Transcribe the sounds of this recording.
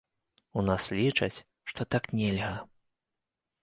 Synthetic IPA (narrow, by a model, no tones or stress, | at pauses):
unaslʲit͡ʂɐ̰t͡sʲ | ʂt̪ɔt̪aknʲɛlʲɣɐ